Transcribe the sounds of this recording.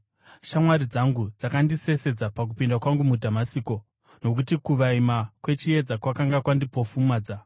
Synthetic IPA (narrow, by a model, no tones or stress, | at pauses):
ʃamwaɾid͡zaŋɡud͡zakandise̞se̞d͡zapak̬upindakwaŋɡumudʱamasiːko̞ | no̞k̬utikuʋaimakwe̞t͡ʃije̞d͡zakwakaŋɡakwandipo̞fumaːd͡za